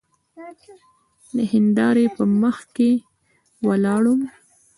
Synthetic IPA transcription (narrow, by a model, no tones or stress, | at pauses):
d̪əhɪnd̪ɑɾepəməxke | walɑɽum